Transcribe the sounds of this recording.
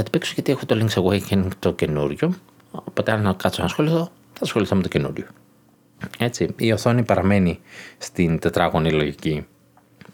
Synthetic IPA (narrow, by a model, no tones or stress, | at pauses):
ɐt̪i̥peksuʝɐt̪iexut̪oliŋksɐɣoecenit̪ocenuɾʝo | opo̞t̪eannɐkɐt͡snɐsxo̞liθo | θɐsxo̞liθomet̪oce̞nṵɾʝo̥ | e̞t͡siio̞θo̞nipɐɾɐme̞nist̪int̪e̞t̪ɾɐɣo̞nilo̞ʝici